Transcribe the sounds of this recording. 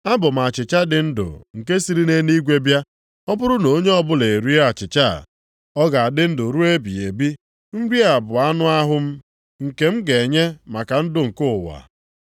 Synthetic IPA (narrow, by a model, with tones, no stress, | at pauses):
a˦bʊ˨m̩˨a˨t͡ʃɪ˨t͡ʃa˦dɪ˨n̩˦dʊ̰˨ŋ̩˨ke˦si˦ɾi˦ne˦ni˦ɡʷe˦bja˦ | ɔ˦bʊ˦ɾʊ˦no˨˦ɲe˦ɔ˦bʊ˦le˨ɾi˦e˦a˨t͡ʃɪ˨t͡ʃa̰˦˨ | ɔ˦ɡa˨a˨dɪ˦n̩˦dʊ˨ɾu˦e˦bḭ˨e˨bi˦ | m̩˦ɾi˦a˨bʊ˨a˦nʊ˦a˦ɦʊ˦m̩˦ | ŋ̩˨ke˨˦m̩˦ɡe˨ɲe˦ma˨ka˨n̩˦dʊ˨ŋ̩˨kʊ˦˨wa̰˨